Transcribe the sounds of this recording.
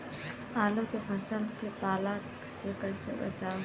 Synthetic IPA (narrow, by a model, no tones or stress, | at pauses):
aːlokepʰɐsə̃nd̪kepaːlã | sekəɾsḛbɐ̰t͡ʃaːo